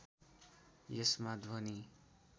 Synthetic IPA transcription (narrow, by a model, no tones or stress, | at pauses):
jesmad̪ʋʌni